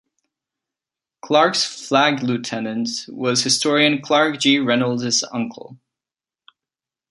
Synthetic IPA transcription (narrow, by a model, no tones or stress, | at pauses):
kʰl̥ɑɹksflæɡlʉtʰɛnɨ̃ntwʌz̥hɨstɔɹiɨ̃nkʰl̥ɑɹk̚dd͡ʒiɹɛnl̩ˠdzʌ̰̃ŋkʰə̰l̩ˠ